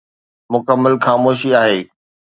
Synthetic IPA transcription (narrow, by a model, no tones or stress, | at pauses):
mʊkəmːəlxaːmoːʃiaːɦeː